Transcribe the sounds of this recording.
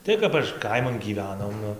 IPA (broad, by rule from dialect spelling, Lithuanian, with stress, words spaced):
ˈtɐɪ kɐp ɐʃ ˈkɐɪmɐn ɡʲiːˈʋʲæːnoːm ˈnʊ